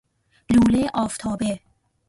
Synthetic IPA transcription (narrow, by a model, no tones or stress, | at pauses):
luːleʔɒːft̪ʰɒːbe